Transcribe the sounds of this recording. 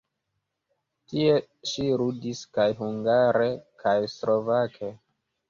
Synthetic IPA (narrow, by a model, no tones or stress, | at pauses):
tie̞ | ʃiɾudiskajɦuŋɡaɾe̞kʰajslʔovakʰe̞